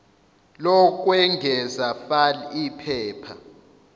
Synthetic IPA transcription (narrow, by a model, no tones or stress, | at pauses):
lɔk̬ʼwɛŋɡʱɛzafalipʰɛːpʰa